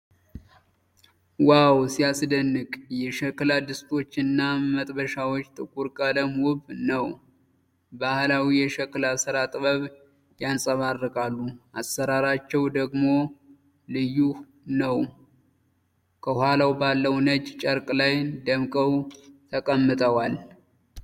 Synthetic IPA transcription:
wawsiasɨd̪ənːɨkʼjɛʃəklad̪ɨst̪ʰʼo̞t͡ʃːɨnːamət̪ʼbəʃawot͡ʃːt̪ʼɨkʼuɾkʼələmwʊβnəw | bahlawijɛʃɛklasɨɾat̪ʼɨβəβ | jansʼəβarːɨkʼalːuʔasːəɾaɾat͡ʃːɛwd̪əɡmo̞ | lɨjːuh | nəw | kʰəhwalawbalːəwnəd͡ʒt͡ʃʼəɾkʼlajd̪əmkʼəwt̪ʰəkʼəmːɨt̪ʼəwal

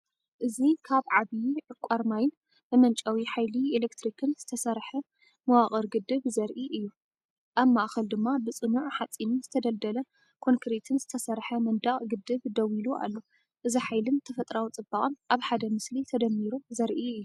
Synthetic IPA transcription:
ʔɨzikʰaβʕaβijʕɨkʷʼːaɾmajɪn | bɨmɐnt͡ʃʼɐwiħajlielekt̪ʰɾikʰɨnz̥ɨt̪ʰɐsɐɾħɐ | mɐwaχʼɐɾɡɨd̪ːɨβzɐɾʔiʔɨjːu | ʔaβmaʔxɐld̪ɨmːabɨt͡sʼɨnuʕħat͡sʼːinɨnz̥ɨt̪ʰɐd̪ɐld̪ɐlɐ | kʰo̞ŋkʰɾet̪ʰɨnz̥ɨt̪ʰɐsɐɾħɐmɐnd̪aχʼɡɨd̪ɨβd̪ɐwiluʔa̰lːo | ʔɨziħajlɨnt̪ʰɐfɐt̪ʼɾawt͡sʼɨbːaχʼɨnʔaβħad̪ɐmɨslit̪ʰɐd̪ɐmːiɾuzɐɾʔiɨjːu

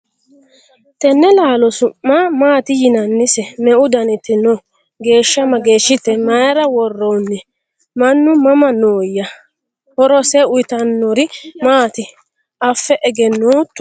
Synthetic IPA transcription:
t̪ɛnːɛlaːlɔsʊʔːamaːt̪ɪjɪnɐnːɪsɛmɛʔʊd̪ɐnɪt̪ːɪno | ɡe̞ːʃːɐmɐɡe̞ːʃːɪt̪ːɛmɐjɐɾɐwɔrːɔwnːɛ | mɐnːʊmɐmɐnoːjːɐ | hɔɾɔsɛʊjɪt̪ɐnːɔɾɪmaːt̪ɪ | ɐfːɛʔɛɡɛnːoːt̪ːɔ

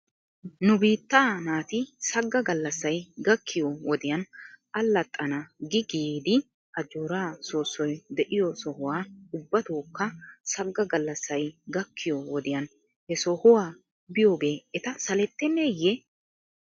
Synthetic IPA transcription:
nʊbiːt̪ːaːnaːt̪ɪsɐɡːɐɡɐlːɐsːɐjɡɐkːɪjɔwɔd̪ɪjɐnɐlːɐt̪ʼːɐnɐɡɪɡiːd̪ɪ | ʔɐd͡ʒuːɾaːsoːsːɔjd̪ɛʔɪjɔsɔhʊwaːʊbːɐt̪oːkːɐsɐɡːɐɡɐlːɐsːɐjɡɐkːɪjɔwɔd̪ɪjɐn | hɛsɔhʊwaː | bɪjo̞ːɡe̞ːɛt̪ɐsɐlɛt̪ːɛnːejːɛ

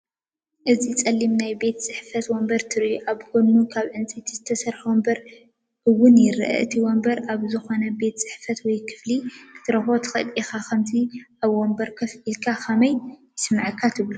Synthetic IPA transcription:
ʔɨzit͡sʼɐlːimnajbe̞t̪t͡sʼɨħfɐt̪wombɐɾt̪ʰɨɾʔuʔaβkʰonːukʰaβʕɨnt͡sʼit̪ʰizɨt̪ʰɐsɐɾħwombɐɾ | ʔɨwːʊnjɪɾʔɐ̰ʔɨt̪ʰiwombɐɾaβzɨxo̞nɐbe̞t̪t͡sʼɨ̥ħfɐt̪wɔjkʰɨ̥flikʰɨ̥t̪ʰɨɾɐxot̪ʰɨ̥xɐ̰t̪ʼixakʰɐmt̪ʰiʔaβwombɐɾkʰɐfilkʰaxʰɐmɐjjɨsmaʕɨkʰːat̪ʰɨβlu

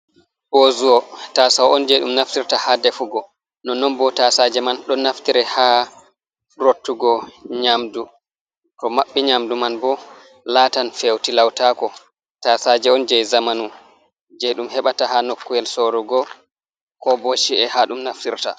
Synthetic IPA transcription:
bozuwɔtasawɔnd͡ʒɛɗumnaftiɾtahadɛfuɡɔ | nɔnɔnbɔtasad͡ʒɛmanɗɔnːaftiɾɛha | ɾotːuɡɔɲamdu | tɔmaɓːɛɲamdumanbɔ | latanfewtilawtakɔ | tasad͡ʒɛɔnd͡ʒɛjzamanu | d͡ʒɛɗumhɛɓatahanokːujɛlsoɾuɡɔ | kɔboʃiɛhaɗumnaftiɾta̰

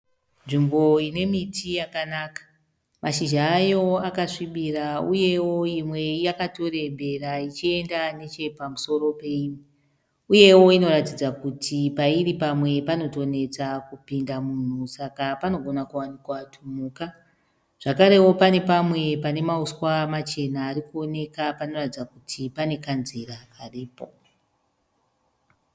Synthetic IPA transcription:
nʐimbo̞ine̞mitʰijakanakḁ | maʃiʒaːjo̞akaʂiɓirauje̞wo̞imwe̞jakato̞rembe̞rait͡ʃie̞ndane̞t͡ʃe̞pamuso̞ɾo̞pe̞ime | uje̞wo̞ino̞ɾatid͡zakutʰipairipamwe̞pano̞to̞ne̞t͡sakupindamun̤usakapano̞ɡʱo̞nakuwanikwatʰumuːka | ʐ̥akaɾe̞wo̞pane̞pamwe̞pane̞mauswamat͡ʃe̞naːɾikuo̞ne̞kapano̞ratid͡zakutʰipane̞kanzirakariːpo̞

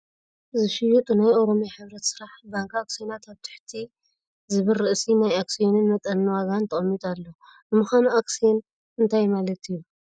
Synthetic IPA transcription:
zɨʃɪjut̪ʼunajo̞ɾo̞mjaħɨβɾɐt̪sɨɾaħbaŋkaksijenat̪ʰaβt̪ʰɨ̥ħt̪ʰi | zɨβɨlːɨʔsinajaksijonɨnmɐt̪ʼɐnːɨwaɡant̪ʰɐχʼɐmːit̪ʼalːo | bɨmɨxanuʔaksijen | ɨnt̪ʰajmalɐt̪iju

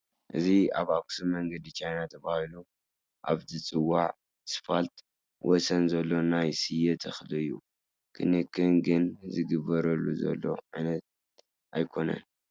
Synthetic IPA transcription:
ʔɨziaβaksumɐŋɡɐd̪it͡ʃʰajnat̪ʰɐβahilu | ʔa̰βzʰit͡sʼɨwːaʕ | sɨ̥falt̪ | wʔɔsɐnzɐlːo̞najsɨjɛt̪ʰɐxlɨɨjːṵ | kʰɨnɨkʰːɨnɡɨnzɨɡɨβɐɾɐlːuzɐ̰lːo̞̰ʕanɐt̪̚ | ʔajkʰo̞nɐ̰n

